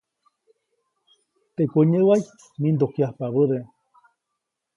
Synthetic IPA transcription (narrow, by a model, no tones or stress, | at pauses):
t̪ekʷuɲewaj | mind̪okjahpaβəðe